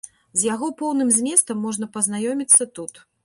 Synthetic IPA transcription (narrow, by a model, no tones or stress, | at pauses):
zʲjaɣɔpɔwnɨmzʲmʲɛst̪ɐmːɔʐn̪ɐpɐznajɔmʲit̪sːɐt̪ut̪